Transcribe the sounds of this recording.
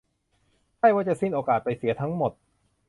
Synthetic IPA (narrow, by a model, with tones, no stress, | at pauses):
t͡ɕʰa˥˩jwaː˥˩t͡ɕa˨˩si˥˩nʔoː˧kaː˨˩t̪̚pa˧jsi˨˩˦ɐt̪ʰa˦˥ŋmo˨˩t̪̚